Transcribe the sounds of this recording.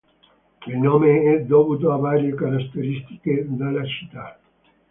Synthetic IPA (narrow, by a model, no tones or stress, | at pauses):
ilnoːmeɛd̪ɔːput̪oavaːɾjekaɾast̪ːeɾist̪i̥ked̪alːat͡ʃi̥t̪ːa